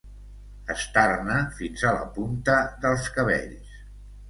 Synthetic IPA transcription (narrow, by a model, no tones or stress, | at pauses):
əst̪arnəfinzalə̰punt̪əðəlˠskəβɛ̰ʎs